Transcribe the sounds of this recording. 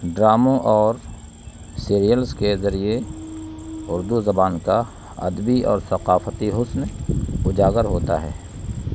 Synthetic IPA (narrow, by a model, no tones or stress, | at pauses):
ɖɾaːmõʔɔːɾ | siːɾijəlskezɐɾie | ʊɾd̪uzɐbaːnka | ɐ̰d̪biʔɔ̰ːɾsɐqaːfət̪iɦʊsnʊd͡ʒaːɡəɾɦoːt̪a̰ɦɛ̰ː